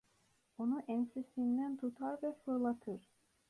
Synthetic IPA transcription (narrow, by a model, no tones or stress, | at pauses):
onuʔɛnsisind̪ænt̪ʰut̪ʰaɾvɛfɯɾlˠat̪ʰɯɾ̥